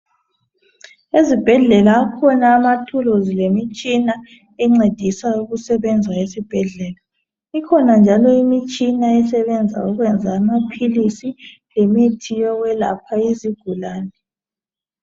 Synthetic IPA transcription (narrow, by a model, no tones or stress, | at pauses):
ezib̥ʱɛɮɛlaːkʰɔnaːmatʰulozilemit͡ʃʼina | ɛŋ͡ǀed̥ʱisauɣusɛβɛnd͡zʱaesib̥ʱɛɮɛːla | ikʰɔnand͡ʒʱalɔimit͡ʃʼinaɛsɛβɛnd͡zʱa̰uɣwɛnd͡zʱaːmapʰilisi | lemitʰijɔɣwɛla̰pʰaiziɡ̥ʱulaːnɛ